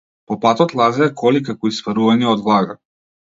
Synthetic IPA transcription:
popat̪ɔt̪lˠazɛakʰolikakɔisfaɾuvaɲaod̪vlˠaɡa

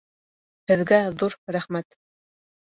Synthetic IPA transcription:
hɘ̆ðɡæðuɾɾæχmæt̪

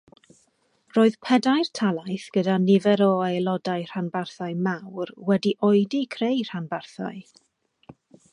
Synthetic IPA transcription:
roːɨðpʰɛdajrtʰalˠajθɡ̥ədanɪvɛɾɔelˠɔdajr̥anbarθaɨmawrwɛdiʔoɨdikʰrejr̥anbarθa̰ɨ

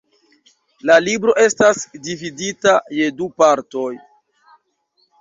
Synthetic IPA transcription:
lalibɾo̞ʔe̞stasdividitaje̞dupaɾto̞j

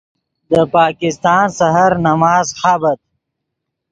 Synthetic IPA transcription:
d̪əpɑːkɪst̪ɑːnsɐɦaɾnɐmaːzxaːbɐt̪̚

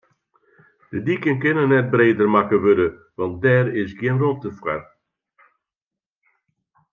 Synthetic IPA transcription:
d̥ədikənkɪnənːɛt̚breːdərmakəʋødə | ʋɑnt̚dɛːɾɪsɡjənrɔtəfwa̰r

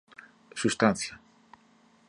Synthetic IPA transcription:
sust̪anθja

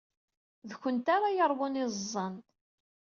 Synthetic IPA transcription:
ðçʷənt̪aɾajəɾˤwʊnɪzˤːɑn

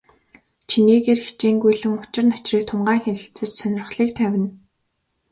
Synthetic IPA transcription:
t͡ɕʰiniːɣeːrxi̥t͡ɕiːŋɡujɮɘ̆ŋʊt͡ɕɪ̆rnḁt͡ɕriːk̚t̪ʰʊmɢaːŋxeɮɪ̆ɬt͡sɘ̆t͡ɕsœnʲɪ̆r̆χɮiːk̚t̪ʰæwʲɪ̆n

